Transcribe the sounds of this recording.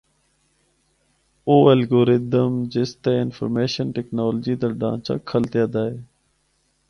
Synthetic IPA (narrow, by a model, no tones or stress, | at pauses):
oːəlɡoːɾɪd̪əmd͡ʒɪst̪eːɪnfʰə̰ɾmeːʃənʈɛknoːlːd͡ʒiːd̪aːɖã̰ːnt͡ʃa̰ːkʰːəlt̪jaːd̪aːɦeː